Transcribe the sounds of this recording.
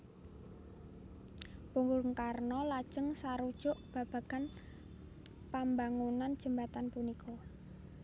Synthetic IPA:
puŋɡʊrŋkarnɔlad̥ʒ̥ə̤ŋsaɾud̥ʒ̥ʊ̤ʔb̥ä̤b̥a̤ɡ̥a̤n | pambaŋunand̥ʒ̥ə̤mbat̪anpunikʰɔ

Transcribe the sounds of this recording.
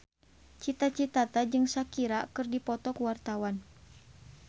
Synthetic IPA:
t͡ʃit̪at͡ʃit̪at̪ad͡ʒɨŋsakiɾakɨrdipɔt̪ɔkuwart̪awan

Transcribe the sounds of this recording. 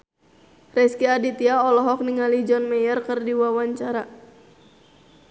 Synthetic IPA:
rɛskiadit̪iaɔlɔɦɔk̚niŋalid͡ʒɔnmɛjərkɨrdiwawaɲt͡ʃaɾa

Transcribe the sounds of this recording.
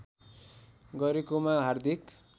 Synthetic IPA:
ɡʌɾekomãɦard̪ʱik

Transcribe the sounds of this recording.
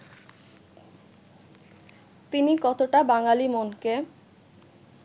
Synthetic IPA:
t̪inikɔt̪oʈabaŋalimonke

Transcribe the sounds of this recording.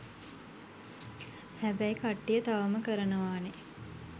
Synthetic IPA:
hæbæjkaʈːijət̪aʋəməkəɾənəʋaːne

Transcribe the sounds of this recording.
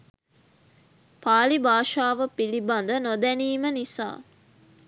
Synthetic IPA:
paːlibaːʃaːʋəpiliband̪ənod̪æniːmənisa̰ː

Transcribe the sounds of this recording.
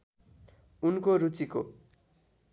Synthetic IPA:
unkoɾut͡siko

